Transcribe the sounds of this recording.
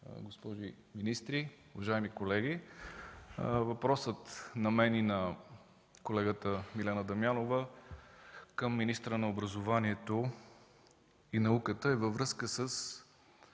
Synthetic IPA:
ɡospɔʒi | minist̪ɾiuvɐʒaɛmikolɛɡi | vɐpɾɔsət̪nɐmɛninɐ | kolɛɡət̪əmilɛnəd̪ɐmjanovə | kəmːinist̪ɾənɐobɾəzovaniɛt̪o | inɐukət̪əɛvəvɾɤskəsəs

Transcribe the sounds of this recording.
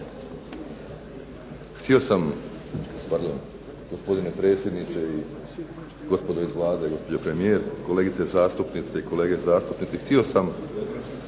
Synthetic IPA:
xt̪io̞sam | paɾd̪o̞n | ɡ̥o̞spo̞d̪ine̞pɾe̞ːt̪sje̞d̪nit͡ʃ̪e̞i | ɡ̥o̞spo̞d̪oizʋlˠaːd̪eiɡo̞spo̞d͡ʑopɾe̞mije̞ːɾko̞le̞ːɡit̪se̞zaːst̪upnit̪seikole̞ːɡe̞zaːst̪upnit̪sext̪io̞sam

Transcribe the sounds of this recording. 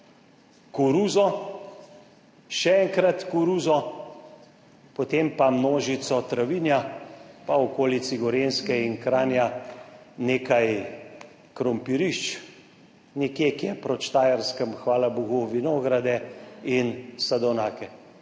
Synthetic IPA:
kuɾuːzɔ | ʃɛɛŋkɾat̪kuɾuːzɔ | pɔt̪empamnoːʒit̪sɔt̪ɾaʋinjapaɔkoːlit̪siɡɔɾenskɛinkɾaːnja | neːkaj | kɾɔmpiɾiʃt͡ʃ | nɛkjekijɛpɾɔt͡ʃt̪aːjaɾskəmxʋaːlabuɣuʋinoːɡɾad̪ɛinsad̪ɔwnaːkɛ

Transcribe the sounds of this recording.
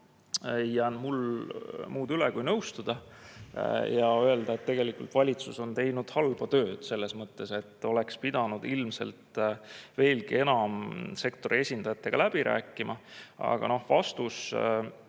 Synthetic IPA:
ejːæːnmul | muːd̪̥ylekujnɤwst̪ud̪̥ɑ | jɑøeld̪ɑe̞t̪ːe̞ɡe̞likult̪vɑlʲit̪suso̞nt̪e̞jnud̪̥hɑlb̥ɑt̪ø̞ːd̪̥se̞lːe̞smɤt̪ːe̞se̞t̪ːˑo̞le̞kspid̪̥ɑnud̪̥ilmse̞̰lt̪ve̞ːlɡie̞nɑmse̞kt̪o̞ɾie̞sʲind̪̥ɑjɑt̪ːˑe̞ɡ̥ɑlæb̥iɾʔæ̰ːkːˑimʔɑɑ̰ɡ̥ɑ̰no̞hvɑst̪us

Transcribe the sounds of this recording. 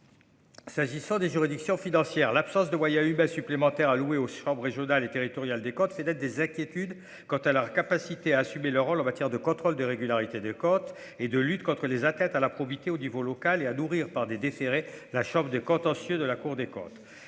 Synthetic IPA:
saʒisɑ̃d̪eʒyʁid̪iksjɔ̃finɑ̃sjɛːʁlapsɑ̃sd̪əmwajɛ̃ymɛ̃syplemɑ̃t̪ɛʁalueoʃɑ̃bʁʁeʒjɔnalet̪eʁit̪ɔʁjald̪ekɔ̃t̪fɛt̪ɛt̪̚d̪ezɛ̃kʲjet̪yd̪ | kɑ̃t̪alœʁkapasit̪eaːsymelœʁːolɑ̃mat̪jɛʁd̪əkɔ̃t̪χɔld̪əʁeɡʲylaʁit̪ed̪ekɔ̃t̪ | ed̪əlyt̪kɔ̃t̪χəlezat̪ɛ̃t̪alapχɔbit̪eonivolɔkaleanuʁiʁpaʁd̪ed̪efeʁelaʃɑ̃bʁd̪ekɔ̃t̪ɑ̃sjød̪əlakuʁd̪ekɔ̰̃t̪

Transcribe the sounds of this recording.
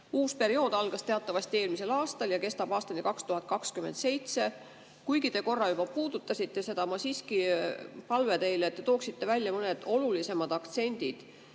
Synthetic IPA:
uːspe̞ɾio̞ːd̪̥ɑlɡ̥ɑst̪e̞ɑt̪ːˑɑvɑsʲt̪ie̞ːlmise̞lɑːst̪ɑljɑke̞st̪ɑb̥ɑːst̪ɑnikɑkst̪uɦɑt̪̚ˑkɑkskyme̞nd̪se̞jt̪se̞ | kujɡit̪e̞ko̞rːɑjub̥ɑpuːd̪̥ut̪ːˑɑsit̪ːe̞se̞d̪̥ɑmɑsiːskipɑlvet̪e̞jleet̪ːe̞t̪o̞ːksit̪ːe̞vælʲːjɑmɤne̞d̪̥o̞lulise̞mɑd̪̥ɑkt̪se̞nʲd̪̥id̪̥

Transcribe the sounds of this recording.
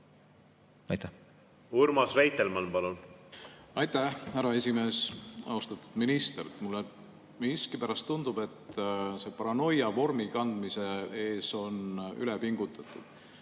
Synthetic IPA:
ɑjt̪æ | uɾmɑsvæjt̪elmɑnpɑlun | ɑjt̪æhhæɾɑe̞sʲime̞ːsɑ̰ust̪ɑt̪ːu̥d̪̥minist̪ert̪mulːe | miiskipæɾɑst̪ːund̪ub̥e̞t̪ːse̞pɑɾɑno̞jɑvo̞rmikɑnd̪mise̞e̞ːso̞ny̰lepiŋɡ̥ut̪ːˑɑt̪ːˑud̪̥

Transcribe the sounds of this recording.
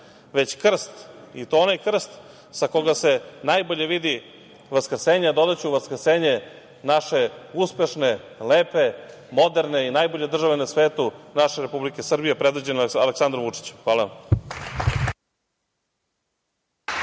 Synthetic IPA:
ʋe̞t͡ɕkr̩st̪it̪oonajkr̩st̪ | sako̞ɡase̞najbo̞ʎe̞ʋid̪i | ʋaskr̩seːɲed̪o̞d̪at͡ɕuuʋaskr̩seːɲe̞ | naʃe̞uspe̞ʃne̞leːpe̞ | mo̞d̪eɾne̞inajboʎed̪r̩ʒaʋenasʋeːt̪unaʃeɾepublike̞sr̩bijepɾed̪ʋid͡ʑenaleksand̪ɾoʋut͡ʂi̥t͡ɕxʋaːla

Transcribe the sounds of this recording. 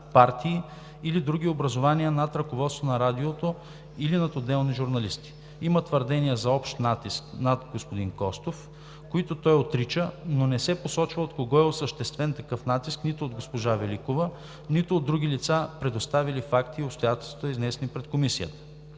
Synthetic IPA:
paɾt̪ʰiː | lid̪ɾuɡʲiobɾɐzovaniənɐt̪ɾɐkovɔt̪st̪onɐɾad̪iot̪o | ilinɐt̪od̪ɛlˠniʒuɾnɐlist̪i̥ | imət̪vəɾd̪ɛniəzɐɔpʃt̪nat̪isknɐt̪ɡospod̪inkɔst̪of | koit̪ot̪ɔjot̪ɾit͡ʃənonɛsɛposɔt͡ʃvəot̪koɡɔɛosəʃt̪ɛst̪vɛnt̪ɐkɤfnat̪isknit̪oːd̪ɡospoʒavɛlikovə | nit̪oːd̪ːɾuɡ̟ilit̪sapɾɛd̪ost̪avilifakt̪iopst̪ojat̪ɛlˠst̪vot̪iznɛsɛnipɾɛt̪komisiə̰t̪ə̥

